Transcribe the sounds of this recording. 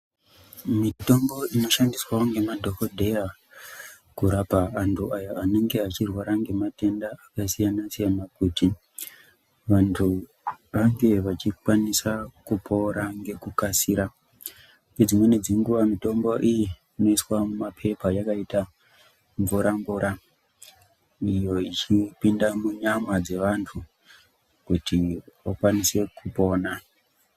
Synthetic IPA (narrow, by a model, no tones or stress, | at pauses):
mito̞mbo̞ino̞ʃandiswaoŋɡe̞madʱo̞kodʱe̞ja | kuɾapaːntʰuajoane̞ŋɡe̞ɦat͡ʃirwaɾaŋɡe̞mate̞ndaakasijanasijanakuti | ʋantʰu | ʋaŋɡe̞ʋat͡ʃikwanisakupʰo̞ɾaŋɡe̞kukasiːɾa | ŋed͡zimwened͡ziŋɡuʋamito̞mbo̞ʔiji | ino̞iswamumapʰe̞pajakaita | ɱvuɾaɱvuɾʔa | ijo̞it͡ʃipindamuɲamwad͡ze̞ʋantʰu | kutiʋakwanise̞kʰupo̞ːna